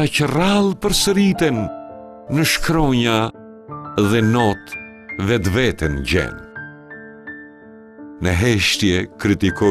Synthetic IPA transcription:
acəralˠpəɾsəɾit̪ɛnː | əʃkɾɔɲa | ðɛnɔt̪ | vɛt̪vɛt̪ɛnɟɛ̰n | nəɦɛʃt̪jɛkɾit̪ikɔ

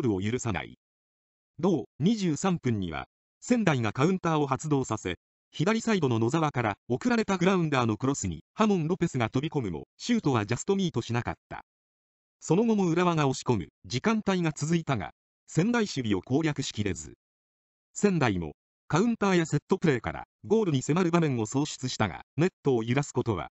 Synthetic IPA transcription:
oɾɯ̟o̞jɯɾɯ̟sana̰ḭ | d̪o̞ːɲ̟iʑɨːsãmpɯ̟̃ɲ̟ːḭβa̰ | sẽ̞nd̪aiŋakaɯ̟̃nt̪aːo̞ɦat͡sɨd̪o̞ːsase̞̰ | çid̪aɾʲisaid̪o̞no̞no̞zaβakaɾao̞kɯ̟ɾaɾe̞t̪aɡɯ̟ɾaɯ̟̃nd̪aːno̞kɯ̟ɾosɨɲ̟ḭhamõ̞nɾo̞pe̞sɨɡat̪o̞bʲiko̞mɯ̟mo̰ɕɨːt̪o̞βad͡ʑast̪o̞mʲiːt̪o̞ɕinaka̰t̪ːa̰ | so̞no̞ɡo̞mo̞ɯ̟ɾaβaŋao̞ɕi̥ko̞mɯ̟d͡ʑikãnt̪aiŋat͡sɨzɨit̪aŋa̰ | sẽ̞nd̪aiɕɨbʲio̞̰ko̞ːɾʲjakɯ̟ɕi̥kʲiɾe̞zɨ̰ | sẽ̞nd̪aimo̞̰ | kaɯ̟̃nt̪aːjase̞t̪ːo̞pɯ̟ɾe̞ːka̰ɾa̰ | ɡo̞ːɾɯ̟ɲ̟ise̞maɾɯ̟bamẽ̞ŋ̃o̞so̞ːɕi̥t͡sɨɕi̥t̪aŋa̰ne̞t̪ːo̞ːjɯɾasɨ̥ko̞t̪o̞βa̰

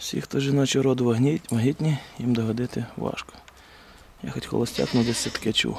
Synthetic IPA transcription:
wsʲḭxt̪ɔʒɪnɔt͡ʃiɾɔd̪ʊʋʲiʋɐɦitʲnʲijimd̪ɔɦɔd̪ɪt̪ɪʋɑ̰ʃkɔ̥ | jaxɔtʲxɔ̰lˠɔsʲtʲa̰knʊd̪ɛsʲɐt̪ɐ̥kɪɐt͡ʃṵ

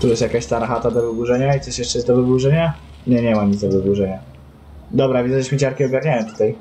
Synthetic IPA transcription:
t̪ujɛst̪jakaɕt̪aɾaxat̪ad̪ɔvɘbuʐɛɲait̪sɔʃjɛʂt͡ʂɛjɛzd̪ɔvɘbuʐɛɲa | ɲɛɲɛmaɲit̪zd̪ɔvɘbuʐɛɲa | d̪ɔbɾavʲizɛɕmʲɘt͡ɕaɾkʲiɔɡaɾɲajɔmt̪u̥t̪aj

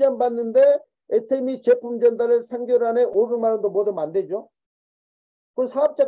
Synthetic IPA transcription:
d͡ʑanbanːɯnde̞ | etʰemit͡ɕe̞pʰumd͡ʑʌndaɾɯɭsʰeŋɡjoɾɯaneʔobeŋmanʌndomʌdɯmanded͡ʑo | kɯsʰaʌp̚t͡ɕ͈a

